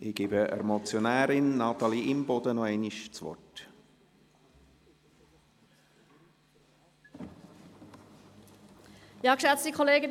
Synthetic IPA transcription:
ʔɪɡ̥iːbəʔɛ̰ɾmɔt͡sjonæːɾɪnːɑt̪ɑliɪmbɔdənɔɛɪniʃt͡svɔ̰rt | jɑːkʃɛt͡stikʰoleːɡə

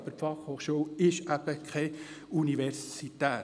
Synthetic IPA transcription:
b̥əɾpfɑχhoːχʃuəwɪʃæb̥əkʰɛ | uniʋɛɾsit̪æː

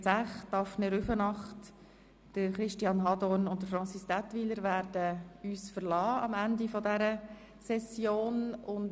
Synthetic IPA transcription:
t͡sæχtɑfnɛɾyfənɑχt | d̥əɾχɾɪʃtiɑnɦɑdɔnʊnt̚dəɾfɾɑnt͡sisd̥atʋiləɾʋæːɾdəyːsfəɾlɑːɑmændifɔdɛɾə | sɛsjoːnʊn

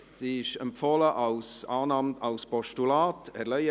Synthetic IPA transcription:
siɪʃɛmpfɔləʔɑwsɑːnɑmtɑlspɔʃtulaːtɛɾlœʏə

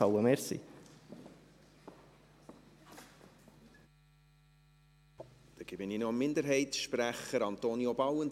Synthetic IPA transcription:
ɑwəmeːɾsḭ | d̪̥ɛɡ̥ɪbɪninomːɪnd̪əɾɦɛɪtsʃpɾæχəɾɑnt̪oːnjobɑwən

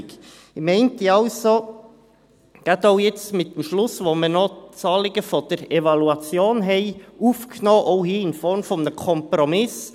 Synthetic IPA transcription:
ɡ | mɛɪntiɑʊso | ɡ̥atoʊjɛt͡stmɪt̚demʃlʊsʋomənot͡sɑːlɪɡəfɔd̥əɾevɑluɑt͡sjoːnɦɛɪʔuːfknoːʔɔʊhiːɪnfɔɾmfɔmnəkʰɔmpɾɔmɪs

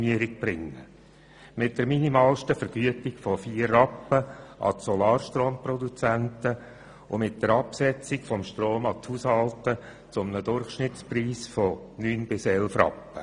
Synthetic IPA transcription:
miəɾɪk̚b̥ɾɪŋːə | mɪt̚d̥əɾminimɑːlʃtəfəɾɡ̥yətɪkfɔfiːərːɑpːəʔɑ̰sɔlɑːɾʃtɾoːmprɔd̪ut͡sæntə | ʊmɪt̚d̥əɾɑpsɛt͡sɪkfɔmʃtɾoːmɑthushɑltə | t͡sʊmnədʊrχʃnɪtt͡spriːsfɔ | nyːnbɪsɛlfrɑ̰pːə

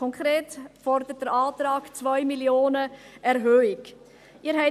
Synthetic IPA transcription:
ɔŋkʁeːtfɔrdəət̚d̥əɾaːtrɾaːkt͡svœʏmiljoːnəʔɛɾɦøːɪk | ʔiːɾɦɛɪ

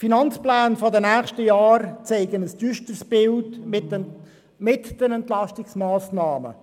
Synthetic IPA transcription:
finɑnt͡splæːnfɔdənæːχʃtəjɑːɾt͡seɪɡənəsd̥yːʃtərsb̥ɪld | mɪtd̥ənɛntlɑstɪksmaːsnɑːmə̰

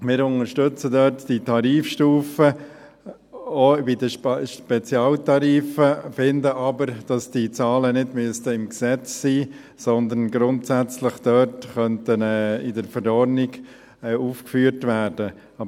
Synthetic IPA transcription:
mɪːɾʊnəʃtøt͡sədœtd̥itʰɑɾiːfʃtuːfə | obidəʃpɛt͡sjɑːltɑɾiːfəfɪndəʔɑbəɾd̥ɑsd̥it͡sɑːlənɪdmyəstəɪmksɛt͡ssiː | sɔnd̪ənɡɾʊntsæt͡slɪχd̥œtχœntənɛːɪdəɾfəɾɔɾnɪɡ | ɛuːfkfyːəɾtʋæːrd̥ə | ɑ

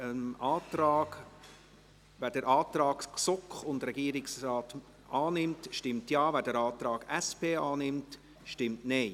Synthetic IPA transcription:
ənɑːtɾɑːɡ | væd̥əɾʔɑːtɾɑːkksʊkχʊndɾɛɡiːɾɪksɾɑːt | ɑːnɪmtʃtɪmtjɑːvæːdəɾɑːt̪ɾɑːɡ̥ɛspʰeːɑːnɪmt | ʃtɪmtnɛɪ

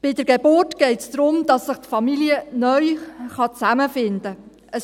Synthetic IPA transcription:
b̥ɪdəɾɡ̥ebʊrtɡ̥ɛɪtsd̪̥ɾʊmd̥ɑsːɪχtfɑmiliənœʏχɑt͡sæməfɪndə | əs

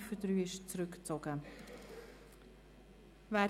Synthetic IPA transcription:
fədɾyːɪʃt͡sɾʏkt͡sɔɡ̥ə | vɛː

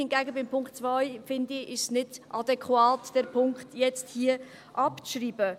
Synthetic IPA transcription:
ɪnɡɛːɡəbɪmpʰʊŋktt͡svajfɪndɪɪʃsnɪdʔɑdɛkʰwaːtd̥ɛɾpʰʊŋkχtjɛt͡sthiːə | ʔɑpt͡sʃɾiːbə

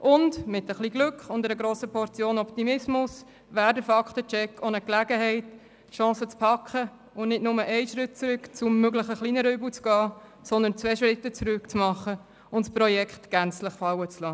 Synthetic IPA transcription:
ʔʊndmɪtəχliːɡlʏkχʊndɛɾəɡɾoːsəpʰɔɾt͡sjoːnɔpt̪imɪsmʊs | væːɾdəfɑkχtət͡ʃɛkʰːonəklæɡəɦɛɪtː | ʃɑ̃ːsət͡spʰɑkχə | ʊnnɪtnʊməʔɛɪʃɾɪt̚t͡sɾʏkt͡sʊmːøɡləχəχliːnəɾœːblut͡sɡ̥ɑː | sɔnd̪ənt͡svɛʃɾɪtːət͡sɾʏkt͡smɑχə | ʊntspɾɔjɛkχtɡ̥ænt͡sləχfɑwət͡slɑː

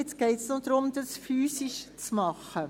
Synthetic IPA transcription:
ɛtt͡sɡ̥ɛɪtsnod̥̪ɾʊmd̥ɑsfyːsiʃt͡smɑχə

